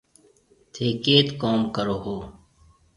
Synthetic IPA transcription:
t̪ʰeːkeːt̪koːmkəɾoːɦoː

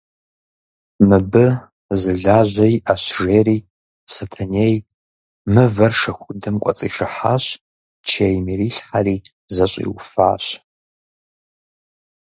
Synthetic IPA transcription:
mɨbɨ | zɨɮaːʑʷɐjʔaɕʐeːriː | sɐtʰɐneːj | mɨvɐrʂɐxʷʊdɨmkʷʼɔ̰t͡sʼḭːʂɨħa̰ɕ | t͡ʃʰejmiriːɬħariː | zɐɕʷʼḭwfa̰ːɕ

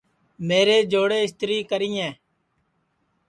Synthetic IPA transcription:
meːɾeːd͡ʒoːɽeːɪst̪ɾiːkəɾiːɛ̃ː

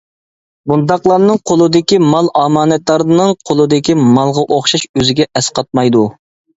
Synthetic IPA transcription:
bund̪ɑqlˠɑɾnɨŋqʰolˠɨd̪ɪkʲimɑlˠʔɑːmɑːnɛt̪lˠɑɾnɨŋqʰolˠɨd̪ɪkʲimɑlˠʁɑʔoχʃɑʃøzɪɡʲɛʔɛsqɑt̪̚mɑjd̪u

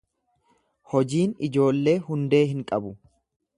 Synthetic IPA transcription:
hɔd͡ʒiːnɪd͡ʒo̞ːlːe̞ːhʊnd̪e̞ːɦɪŋkʼɐbʊ

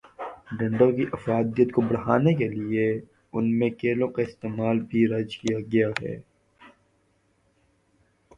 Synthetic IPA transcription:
ɖɐ̃ɳɖõkiʔɐfɾaːd̪ijət̪kobɐɽɦaːnek̬elie | ʊnmẽkeːlõkaɪst̪eːmaːlbʱiɾɐd͡ʒkijaɡɐjaɦɛ̰ː

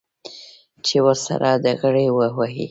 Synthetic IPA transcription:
t͡ʃewəɾsa̰ɾʔad̪əɣəɽewəwaɦḭ

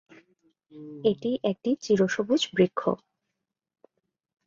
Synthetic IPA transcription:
eʈiʔek̚ʈit͡ɕiɾoʃobud͡ʑbɾikʰːo̰

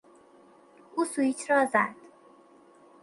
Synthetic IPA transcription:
uːsuit͡ʃʰɾɒːzæ̰d̪̥

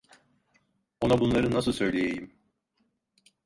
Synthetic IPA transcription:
onabunlˠaɾɯnas̬ɯlˠsø̞jlʲejejim

